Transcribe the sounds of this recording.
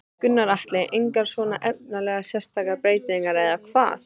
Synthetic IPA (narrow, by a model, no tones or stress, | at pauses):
kʏnːaɾaht̪lɛʔejŋkaɾ̥svɔːnaʔɛp̚nnalɛːɣasjɛr̥st̪ʰaːkapɾeːjt̪iiŋkaɾɛðakʰv̥a̰ːθ